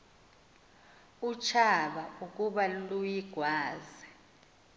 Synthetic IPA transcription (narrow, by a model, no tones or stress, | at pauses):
ut͡ʃʰaɓaukʼuɓalujiɡ̥ʱwaːzɛ